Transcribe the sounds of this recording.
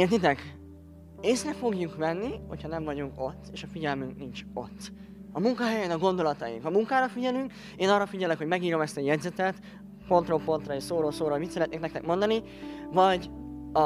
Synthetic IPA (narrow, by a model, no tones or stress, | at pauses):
eːrt̪it̪ɛk | eːsrɛfo̞ɡjuŋkvɛnːiho̞̰chɒnɛɱvɒɟuŋko̞t̪ːeːʃɒfiɟɛlmyŋknint͡ʃo̞̰t̪ː | ɒmuŋkɒɦɛjɛnɒɡo̞nd̪o̞lɒt̪ɒjḭŋkɒmuŋkaːɾɒfiɟɛlyŋk | eːnɒrːɒfiɟɛlɛkho̞ɟmɛɡiːɾo̞mɛst̪ɒjɛd̪zɛt̪ɛt̪ | po̞nt̪roːpo̞nt̪rɒiʃsoːɾoːlsoːɾoːmit̪sɛɾɛt̪neːknɛkt̪ɛkmo̞nd̪ɒni | vɒɟɒ